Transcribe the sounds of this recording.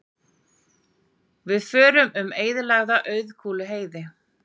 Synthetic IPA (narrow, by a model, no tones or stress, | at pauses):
vɪðfœːɾʏmʏmeːjðɪlaɣðaʔœːɥðkʰuːlɪɦeːjðɪ